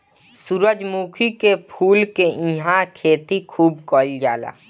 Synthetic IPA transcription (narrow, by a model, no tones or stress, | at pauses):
suɾəd͡ʒmuːkʰikepʰuːlkeʔĩɦãkʰeːt̪ikʰuːb̚kɔːld͡ʒa̰ːla̰ː